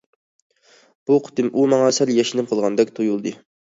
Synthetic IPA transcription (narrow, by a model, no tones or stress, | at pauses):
b̥uqʰʊ̥t̪ɨmʔumɑŋɑsæljɛʃinɪmqʰəlˠʁɑnd̪ɛkʲt̪ʰojulˠd̪ɨ